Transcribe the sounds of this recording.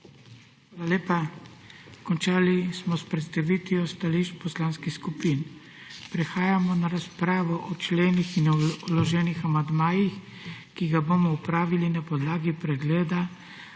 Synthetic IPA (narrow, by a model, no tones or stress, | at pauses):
xʋaːlaleːpa | kɔnt͡ʃaːlismɔspɾɛt̪st̪aʋit̪ʋiɔst̪aliʃt͡ʃpɔslaːnskixskupin | pɾɛxaːjamɔnaɾaspɾaːʋɔʔɔt͡ʃleːnixinɔlɔʒɛːnixamand̪maːjix | kiɡabomɔupɾaːʋilinapɔd̪laːɡipɾɛɡleːd̪a